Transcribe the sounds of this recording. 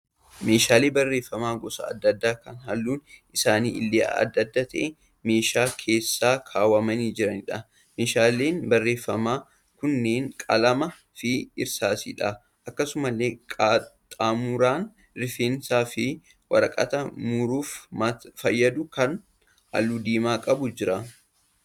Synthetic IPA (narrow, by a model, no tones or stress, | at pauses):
me̞ːʃaːleːbɐrːe̞ːfːɐmaːɡɔsɐ̰ːd̪ːɐd̪ːaːkɐnɦɐlːuːnʔɪsaːnḭːɪlːḛːɐ̰d̪ːɐd̪ːat̪ɐʔɛ | me̞ːʃaːkʰe̞ːsːaːkʰaːwɐmɐniːd͡ʒɪɾɐnɪᶑɐ | me̞ːʃaːleːnbɐrːe̞ːfːɐmaː | kʊnːeːŋkʼɐlɐmɐ | fɪɪɾsaːsḭːᶑɐ | ʔɐkːɐsʊmɐlːeːkʼat̪ʼaːmʊɾaːn | ɾɪfeːnsaːfɪ | wɐ̰ɾɐkʼɐ̰t̪ɐmʊɾuːfmɐfɐjːɐd̪ʊkɐn | hɐ̰lːuːd̪eːmaːkʼɐbʊd͡ʒɪɾɐ